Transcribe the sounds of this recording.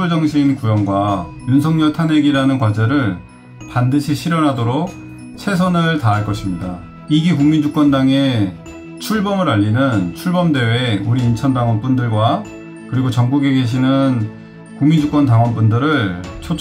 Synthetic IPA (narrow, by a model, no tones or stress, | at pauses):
oɭd͡ʑʌŋɕʰiinkujʌŋɡwajunsʰʌŋɲʌɭtʰaneɡiɾanɯnkwad͡ʑeɾɯɭ | pandɯɕʰiɕʰiɾjʌnɦadoɾok̚ | t͡ɕʰe̞s̬ʰʌnɯɭtaːɭk͈ʌɕʰimɲida | iɡikuŋmind͡ʑuk͈wʌndaŋe̞ | t͡ɕʰuɭbʌmɯɾaʎːinɯnt͡ɕʰuɭbʌmde̞weuɾiːnt͡ɕʰʌndaŋwʌnp͈undɯɭɡwa | kɯɾiɡot͡ɕʌŋɡuɡeɡe̞ɕ̬ʰinɯn | kuŋmind͡ʑuk͈ʌntaŋwʌnp͈undɯɾɯɭt͡ɕʰot͡ɕʰ